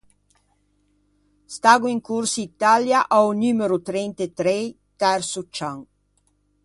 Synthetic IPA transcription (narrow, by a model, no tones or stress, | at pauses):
st̪aɡuiŋkuɾsit̪aljaʔaunymeɾut̪ɾɛnt̪et̪ɾej | t̪ɛɾsut͡ʃaŋ